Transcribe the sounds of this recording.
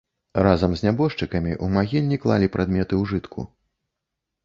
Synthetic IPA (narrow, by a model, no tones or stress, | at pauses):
razɐmzʲnʲabɔʂt͡ʂɨkɐmʲiʔumaɣʲilʲnʲiklˠalʲipɾad̪mʲɛt̪ɨwʐɨt̪kʰṵ